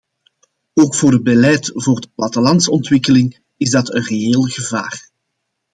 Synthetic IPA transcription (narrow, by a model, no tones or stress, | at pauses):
oːkfoːrəd̚bəlɛjtvoːrdəplɑtəlɑntsɔntwɪkəlɪŋ | ɪzdɑtənreeːlˠɣəva̰ːr